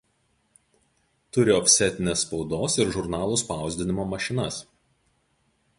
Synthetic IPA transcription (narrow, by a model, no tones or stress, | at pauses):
t̪ʊɾʲɪɔpʲsʲɛt̪ʲɪnʲeːsːpɒʊd̪oːsɪɾʒʊɾnɑːlˠuːˑspɑˑʊzʲd̪ʲɪnʲɪmoːmɐʃʲɪnɐs